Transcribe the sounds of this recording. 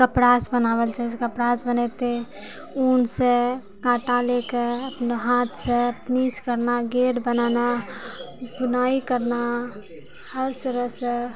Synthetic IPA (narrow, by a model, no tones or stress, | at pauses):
kəpɾasbənaβəlt͡ʃʰaskəpɾasbənɛt̪e | unse | ɡãʈalekeəpneɦãt̪ʰsẽpniskəɾnaɡeɽbənana | bunaikəɾna | həɾsɾəsə